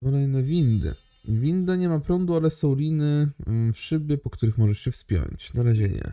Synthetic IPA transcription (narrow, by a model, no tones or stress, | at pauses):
ɔlɛjnɛvʲind̪ɘ̰ | vʲind̪aɲɛmapɾɔnd̪ualɛsɔ̃w̃lʲinɘfʂɘbʲjɛpɔkt̪uɾɘxmɔʐɛʂɕɛfspʲjɔ̰ɲt͡ɕnaɾaʑɛɲɛ̰